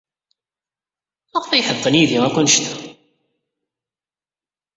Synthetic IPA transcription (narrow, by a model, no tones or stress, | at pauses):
əʁθæjħəðˤːənjiðiækʷænʃt̪æ̥